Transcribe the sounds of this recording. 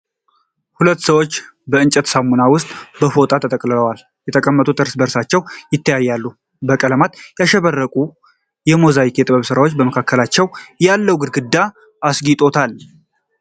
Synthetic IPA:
hulət̪ːsəwo̞t͡ʃːbəɨnt͡ʃʼət̪samunawʊst̪ʼbəfo̞t̪ʼat̪ʰət̪ʼəkʼləəwal | jɛt̪ʰəkʼəmːət̪ʼut̪ɨɾsbəɾsat͡ʃːɛwjɪt̪ʰːəjajːalːu | bəkʼələmat̪jaʃɛβərːəkʼu | jɛmozaikjɛt̪ʼɨβəβsɨɾawo̞t͡ʃːbəməkʰakːəlat͡ʃːɛwjalːəwɡɨɾɡɨd̪ːaː | sɡit̪ʼo̞t̪ʰal

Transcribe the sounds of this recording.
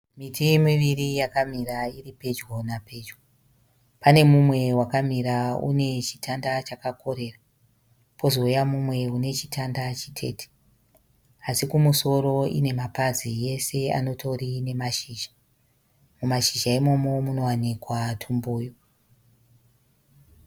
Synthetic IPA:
mitʰimiʋirijakam̤iɾairipe̞d͡ʒɡonape̞d͡ʒɡo | pane̞mumwe̞wakamiɾaṵne̞t͡ʃi̥tʰandat͡ʃakako̞ɾe̞ra | pʰo̞zo̞ujamumwe̞une̞t͡ʃitʰandat͡ʃitʰe̞̰ːtʰi̥ | asikumuso̞ɾo̞ḭne̞mapazije̞se̞a̰no̞tʰo̞rine̞maʃiːʒḁ | mumaʃiʒaimo̞mo̞muno̞wanikwatʰumbuːjo

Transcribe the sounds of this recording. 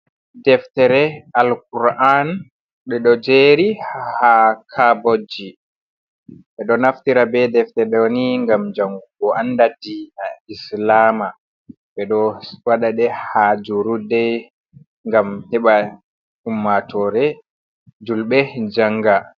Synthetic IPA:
dɛftɛɾɛalkuɾʔan | ɓɛɗɔd͡ʒeɾihakʰabod͡ʒi | ɓɛɗɔnaftiɾabɛdɛftɛɗɛniŋɡamd͡ʒaŋɡuɡɔandadinaislama | ɓɛɗɔwaɗaɗɛhad͡ʒuɾudɛ | ŋɡamhɛɓa | umːatʰɔɾɛ | d͡ʒulɓɛd͡ʒaŋɡa

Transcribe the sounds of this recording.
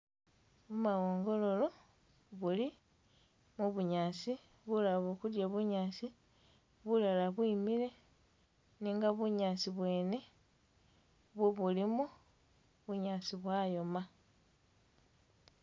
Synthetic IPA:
βumawoːŋɡo̞lo̞lo̞ | βuli | muβuɲaːsi | βulaβoːkudjaβuɲaːsi | βulalaβwiːmile̞ | niːŋɡaβuɲaːsiβwe̞ːne̞ | βwoβulimu | βuɲaːsiβwaːjo̞ma

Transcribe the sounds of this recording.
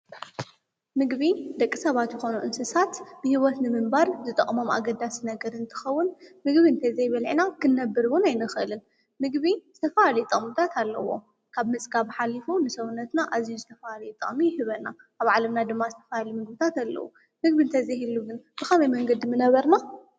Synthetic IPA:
mɨɡβid̪ɐkʼːisɐβat̪jɪxo̞nuʔɨnsɨsat̪b̥ɨhiwɔt̪nɨmɨmbaɾzɨt̪ʼɐχʼmoma̰ɡɐd̪ːasinɐɡɐɾɨnt̪ʰɨ̥xɐwːʊnmɨɡβiɨnt̪ʰɐzɐjβɐlʕinakʰɨnːɐbːɨɾwʊnajnɨxʔɨlɨn | mɨɡβiz̥ɨt̪ʰɐfahalɐjut̪ʼɨχʼmut̪ʰat̪ʰalːɐ̰wo̞̰ | kʰaβmɨt͡sʼɡaβħalːifunɨsɐwunːɐt̪naʔazijuzɨt̪ʰɐfahalɐjut̪ʼɨχʼmihɨβɐna | ʔaβʕalɐmnad̪ɨmːazɨt̪ʰɐ̥fahalimɨɡ̚bit̪ʰat̪alːɐ̰wṵ | mɨɡβint̪ʰɐzɐjhilːuɡɨnb̥ɨxɐmɐjmɐŋɡɐd̪mɨnɐβɐɾna

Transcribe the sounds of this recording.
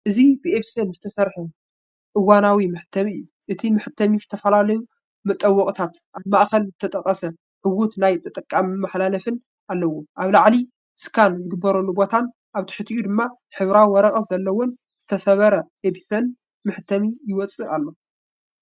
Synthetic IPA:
ʔɨzibɨʔeβsɐnzɨt̪ʰɐsɐɾħɨ | ʔɨwanawimɨħɨ̥t̪ʰːɐmiɨjːu | ʔɨt̪ʰimɨħɨt̪ʰːɐmizɨt̪ʰɐfɐlalɐju | mɨt̪ʼːɐwːɔkʼt̪ʰat̪ʔaβmaʔxɐlzɨt̪ʰɐt̪ʼɐkʼɐsɐ | ħɨwut̪najt̪ʼɨt̪ʼɐkʼːamɨmaħlalɐfɨn | ʔalːɐwoʔaβlaʕli | skʰanzɨɡɨbːɐɾolːubo̞t̪ʰan | ʔaβt̪ʰɨ̥ħɨt̪ʰiʔud̪ɨmːa | ħɨβɾawwɔɾɐχʼɐfzɐlːɐwon | z̥ɨt̪ʰɐsɐβɐɾɐʔebisɐn | mɨħɨt̪ʰːɐmijɪwɔt͡sʼɨalːo̞

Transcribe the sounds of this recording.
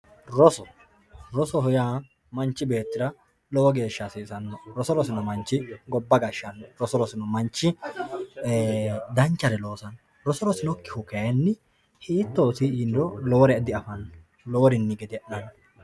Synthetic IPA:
ɾɔsɔ | ɾɔsɔhʊjaː | mɐnt͡ʃːɪbe̞ːt̪ːɪɾɐ | lɔwɔɡe̞ːʃːasiːsɐnːɔɾɔsɔɾɔsɪnɔmɐnt͡ʃːɪɡɔbːɐɡɐʃːɐnːɔɾɔsɔɾɔsɪnɔmɐnt͡ʃːɪ | d̪ɐnt͡ʃːɐɾɛlo̞ːsɐn | ɾɔsɔɾɔsɪnɔkːɪhʊkɐjɐnːɪ | hiːt̪ːoːsɪːnd̪ɔlɔwɔɾɛɐd̪ɪɐfɐnːɔ | lɔwɔɾɪnːɪɡɛd̪ɪɐʔnɐnːɔ

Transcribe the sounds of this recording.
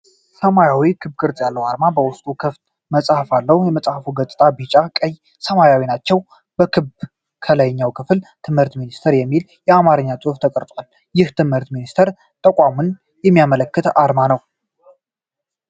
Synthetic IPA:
səmajawikʰɨbkʰʼɨɾt̪ʼjalːəwaɾmabəwʊst̪ʼukʰɨft̪ | məsʼhəfalːəhjɛməsʼhəfuɡət̪ʼɨt̪ʼabit͡ʃʼakʼəj | səmajawinat͡ʃːɛw | b̥əkʰɨb | kʰələjɲːawkʰɨflt̪ʰɨmhɨɾt̪minist̪ʰəɾjɛmːil | jɛamaɾɨɲːat͡sʼuhft̪ʰəkʼəɾt̪ʼwal | jɪht̪ʰɨmhɨɾt̪minist̪ʰəɾ | t̪ʼəkʷʼamun | jɛmːijamələkːɨt̪aɾmanəw

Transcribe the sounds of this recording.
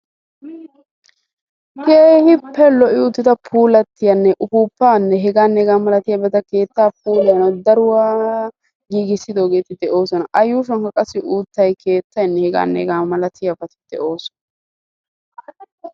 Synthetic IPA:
keːhɪpːɛlɔʔɪʊt̪ːɪt̪ɐpʰuːlɐt̪ːɪjɐnːɛʔʊfuːpːaːnːɛɦɛɡaːnːɛɡaːmɐlɐt̪ɪjɐbɛt̪ɐke̞ːt̪ːaːp̚uːlɛjɐnɔd̪ɐɾʊwaː | ɡiːɡɪsːɪd̪o̞ːɡe̞ːt̪ɪd̪ɛʔo̞ːsɔnɐʔɐjːuːʃ̬ɔnkɐkʼɐsːɪʔuːt̪ːɐjkʰe̞ːt̪ːɐjnːɛhɛɡa̰ːnːɛ̰ɡaːmɐlɐt̪ɪjɐbɐt̪ɪd̪̥ɛʔoːsɔ̥nɐ

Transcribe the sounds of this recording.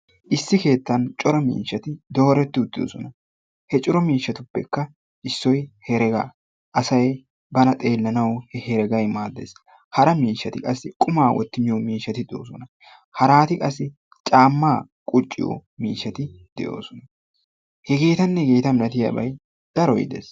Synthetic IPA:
ʔɪsːɪke̞ːt̪ːɐnt͡ʃʼɔɾɔmḭːʃːɐt̪ɪd̪o̞ːɾɛt̪ːɪʊd̪ːɪdo̰sɔnɐ | hɛt͡ʃʼɔɾɔmiːʃːɐt̪ʊpːɛkːɐ | ɪsːɔjhɛɾɛɡa̰ | ʔɐsɐj | bɐnɐt̪ʼe̞ːlːɐnɐwhɛhɛɾɛɡɐjmaːd̪ːḛs | hɐɾɐmiːʃːɐt̪ɪkʼɐsːɪkʼʊmaːwɔ̰t̪ːɪmɪjɔmiːʃːɐt̪ɪd̪o̰ːsɔnɐ | hɐɾaːt̪ɪkʼɐsːɪ | t͡ʃʼaːmːaː | kʼʊt͡ʃʼːɪ̰jɔ̰miːʃːɐt̪ɪd̪̥ɛ̰ʔo̞̰ːsɔnɐ | hɛɡe̞ːt̪ɐnːɛɡeːt̪ɐmɪlɐt̪ɪjɐ̰bɐ̰j | d̪̥ɐɾɔjɪ̰d̪ḛs

